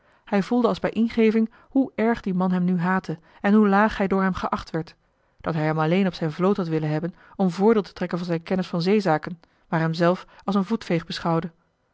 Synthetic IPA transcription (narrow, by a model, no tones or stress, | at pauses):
hɛjvulˠdəɑlˠzbɛjʔɪnχejvɪŋ | huʔɛɹχdimɑnɦɛmnyɦaːtə | ɛnɦulaːχhɛjdʊːɹɦɛmχəʔɑχtʋɛɹt | d̥ɑtɦɛjɦɛmɑlejnɔpsɛjnvlowthɑtʋɪlənɦɛbən | ɔmvʊːɹdɪːlˠtə̥trɛkənvɑnzɛjnkɛnəsfɑnzejzaːkən | ʋaːɹɦɛmzɛlˠfɑlˠsənvutfejχbəsχɑwdə